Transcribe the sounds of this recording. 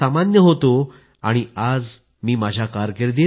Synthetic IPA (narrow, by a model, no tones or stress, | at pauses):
amanjəɦot̪o | aɽ̃iad͡z | miːmad͡ʑʱjakaɾkeɾd̪e